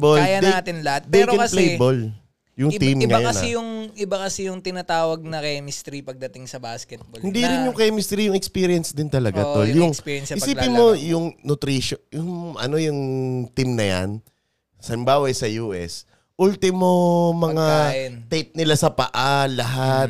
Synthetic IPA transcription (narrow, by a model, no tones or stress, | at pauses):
boljɐnɛat̪ɪnlɐhat̪̚d̪ɛːɾokɛkɐplejbol | jʊŋt̪imŋɐajɐnsɛjʊŋɪbakɐsɛjʊŋt̪ɪnat̪aːwɐɡ̚nɐkɛmɪst̪ɾipɐɡ̚d̪ɐt̪ɪŋsɐbaskɛt̪̚bohɪnd̪iɾɪnjʊŋkɐmɪst̪ɾijʊŋɛkspiːɾijɛnsd̪ɪnt̪ɐlɐɡat̪oljʊŋspijɛnsɪsɐiːpɪnmo̞jʊŋnʊt̪ɾiːʃojʊŋʔɐ̰no̞jʊŋt̪imnɐja̰n | sɐlɪmbaːwɐjsɐjuːʔɛ̰s | ʔult̪ɪmomɐŋant̪ɛjp̚nɪlasɐpɐ̰ʔalɐɦat̪̚